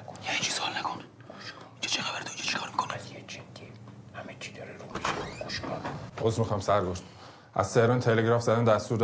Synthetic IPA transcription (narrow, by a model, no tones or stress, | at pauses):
jeit͡ʃʰisɒlnækʰon | ind͡ʒɒt͡ʃʰexæbæɾd̪ond͡ʒit͡ʃʰi̥kʰɒːɾmiːkʰonsjed͡ʒed̪̥ːihæmet͡ʃʰi̥d̪ɒːɾeɾumiʃonɡoʃkʰɑnʔozɾmixɒjmsæɾɡoʃt̪ | ʔæ̰zt̪ehɾɒnt̪ʰeleɡɾɒːfzæd̪ænd̪æst̪uːɾd̪